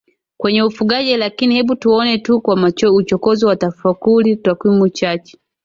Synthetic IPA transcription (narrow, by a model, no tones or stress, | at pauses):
kwɛɲɛufuɠaʄɛlakinihɛɓutuɔnɛtukwamaut͡ʃɔkɔziwatafakulitakwimut͡ʃat͡ʃɛ̥